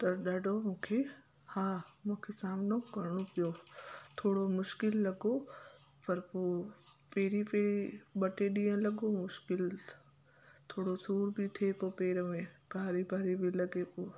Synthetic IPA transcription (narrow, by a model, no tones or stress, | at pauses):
t̪ɐɗaːɖʱomũːkʰe | haːmũːkʰesaːmɪnokɐɾɽ̃opijot̪ʰoːɽomʊʃkɪlːɐɡopɐɾpoː | peːɾipeːɾiɓɐʈeɗĩːə̃lɐɡomʊʃkɪl | t̪ʰoːɽosuːɾbɪt̪ʰepoːpeːɾəmẽbʱaːɾibʱaːɾibilɐɡepoː